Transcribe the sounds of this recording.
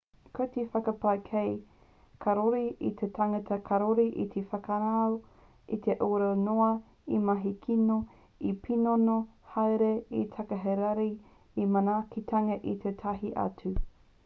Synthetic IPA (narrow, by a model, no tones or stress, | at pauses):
kot̪ifɐkɐpɐkʰej | kʰɐɾoɾiit̪ʰetʰɐŋɐtɐkʰɐɾoɾiʔḭt̪ʰefɐkanaw | it̪ʰeʔoːɾawnoɐ | imɐɦikʰino | ipʰinonohɐwɾeitʰɐkɐɦeɾaɾi | imɐnaːkʰitʰɐŋɐʔit̪ʰetʰɐɦiʔɐ̰tu